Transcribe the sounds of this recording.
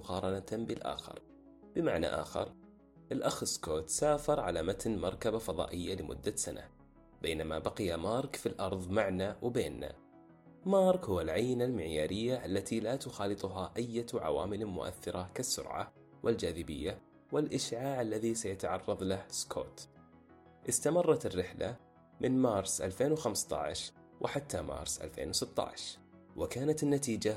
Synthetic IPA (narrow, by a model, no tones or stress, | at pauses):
ʊqɑːɾˤɑnat̪bɪlʔa̰ːxɪ̰ɾˤ | b̥ɪmaʕna̰ʔa̰ːxɪ̰ɾ | ʔɪlʔaxɪskoːt̪saːfɑɾˤʕalamat̪nmɑɾˤkabafɑðˤɑ̰ːʔɪjːalɪmʔʊ̰d̪ːasana̰ | b̥eːnamabɑqɪjamɑːɾˤkfilʔɑɾˤðˤmaʕnawbeːnːa̰ | mɑːɾˤkhʊwːalʕajːɪnalmɪʕjaːɾɪjːaʔalːat̪ʰilat̪ʊxɑːlɨt̪ˤʊɦaʔajːat̪ʕa̰wa̰ːmɪlmʊ̰ʔa̰θːɪɾˤɑkasːʊ̰ɾʕa̰ | wʔɪld͡ʒaːðɪbɪ̰jːa | wɪlʔɪʃʕaːʕalːaðisajat̪aʕɑrˤːɑðˤlahskʰo̰ːt̪ | ʔɪst̪amɑrˤːɑt̪ɪrːɪħla̰ | mʔɪnmɑːɾˤsʔa̰lfeːnwxamst̪ˤɑ̰ʕɪ̰ʃ | wʔɪħat̪ʰːamɑ̰ːɾˤsʔa̰lfḛːnwsɪt̪ˤːɑ̰ʕʃ | wɪkaːnat̪ɪnːat̪iːd͡ʒa